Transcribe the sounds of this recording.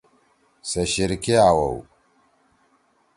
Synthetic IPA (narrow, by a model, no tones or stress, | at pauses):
sɐʃiɾkiawo̰w